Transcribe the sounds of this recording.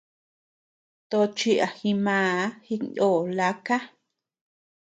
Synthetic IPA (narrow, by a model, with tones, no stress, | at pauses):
t̪o˧t͡ʃi˧ʔa˨xi˧mãː˨˧˨hi˧nʔoː˦˨la˧˦ka˦